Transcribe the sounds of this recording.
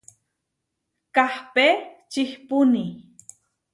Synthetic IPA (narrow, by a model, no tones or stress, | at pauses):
kahpet͡ʃɪhpʊni